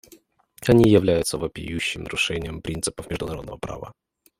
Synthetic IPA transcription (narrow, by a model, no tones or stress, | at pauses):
ɐnʲijɪvlʲæjʊt̪səvəpʲɪ̰juɕːɪmnəɾʊʂɛnʲɪjəmpɾʲint̪sɨpəfmʲɪʐd̪ʊnɐɾo̞d̪nə̰vəpɾa̰və̰